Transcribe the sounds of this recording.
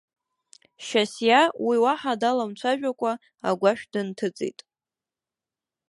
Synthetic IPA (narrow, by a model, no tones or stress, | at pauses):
ʃasjawiwaħadalamt͡ɕʷʰaʒᶣakʷʼa | a̰ɡʷaʃᶣdɨntʰɨt͡sʼḭtʼ